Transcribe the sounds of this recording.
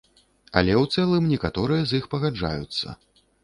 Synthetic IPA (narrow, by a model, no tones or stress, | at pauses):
ɐ̰lʲɛwt̪sɛlˠɨmnʲɛkat̪ɔɾɨjɐzixpɐɣad͡ʐa̰jut̪sːɐ̰